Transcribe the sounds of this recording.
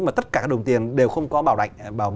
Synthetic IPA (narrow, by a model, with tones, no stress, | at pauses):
maː˨˩t̪ə˦˥t̚kaː˧˩kːaː˦˥ə˨˩wŋ͡mt̪i˨˩ənɗe˨˩wxə˧wŋ͡mkɔ˨˦ɓaː˧˩wla̰˧˨ŋɓaː˨˩